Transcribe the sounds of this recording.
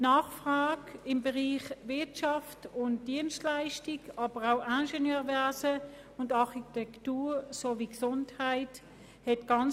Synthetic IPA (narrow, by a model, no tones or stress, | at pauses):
naːχfʁɑːkɪmbəʁiːχvɪɐtʃɑftʊnt̚d̥iənstlaɪʃtikɑːb̥əʁaʊʔanʃɛnjøːʁvɛɐsə | ʊndɑχitɛktuːsoːviksʊnthaɪt | hɛtɡ̥ɑn